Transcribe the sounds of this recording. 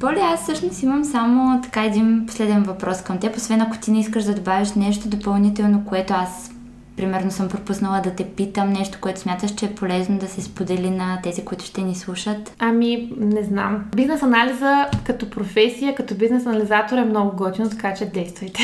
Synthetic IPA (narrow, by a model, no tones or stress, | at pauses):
bolʲɛasːɤʃnosiməmsamot̪ɐ̥kaɛd̪inpo̥slɛd̪ɛnvɐpɾɔskɐmt̪ɛposvɛnɐko̥t̪inɛiskəʃd̪ɐd̪obaviʃnɛʃt̪od̪opɐlˠnit̪ɛlˠnokoɛt̪oas | pɾimɛɾnosəmpɾopusnəlˠəd̪ɐt̪ɛpit̪əmnɛʃt̪o̥koɛt̪ʊsmʲjat̪əʃt͡ʃɛːpolɛznod̪ɐsɛspod̪ɛlinɐt̪ɛzikoit̪ʊ̥ʃt̪ɛnislˠuʃət̪ɐminɛzna̰mbiznɛsɐnalizəkɐt̪ɔpɾofɛsʲijəkɐt̪ɔbiznɛsɐnɐlʲizat̪oɾɛmnɔɡʊɡɔd̪ʲinot̪ɐkat͡ʃɛd̪ɛjst̪vəjt̪ɛ